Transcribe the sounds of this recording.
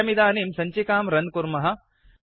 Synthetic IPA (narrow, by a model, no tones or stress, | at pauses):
ɐmid̪aːniːmsɐɲt͡ʃikaːmɾɐn̚kuɾmɐɦɐ̆